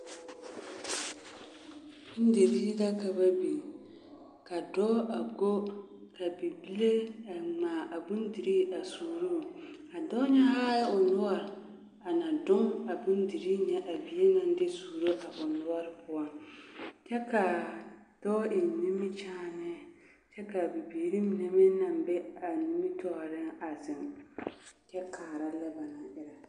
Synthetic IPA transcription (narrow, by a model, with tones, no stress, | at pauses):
n̩˦de˨ɾi˦ɡa˦ka˨ba˦bi˨ | ka˨dɔ˦a˨ɡo˦ | ka˨bi˨bi˦le˦a˨maː˨ʔa˨bu˦ndi˨ɾi˦a˨suː˨ɾu˦˨ | a˨dɔ˦ɲɛ˦ha˦jʊ˨nʊ˦a˦ɾɪ˨ | a˨na˨dʊ˦ŋa˨bu˦ndi˨ɾi˦ɲɛ˦ʔa˨bi˨˦e˦na˦n˦dɪ˦suː˨ɾo˦ʔa˨ʔʊ˨nʊ˦ɔ˦ɾɪ˦pʊ˦a˦ | t͡ʃɛ˦ka˨ | d̥ɔ˦ʔɪ˨ni˦mi˦t͡ʃaː˦nɛ˦˨ | t͡ʃɛ˦ka˨bi˨biː˨ɾi˦mi˨nɛ˨mɪ˦na˨mbɛ˦a˨ni˦mi˦tʰɔ˦ɣɾɪ˦a˨zɪ˨ŋ | t͡ʃɛ˦kʰaː˨ɾa˦lɛ˦ba˨na˨ʔɪ˦ɾa˨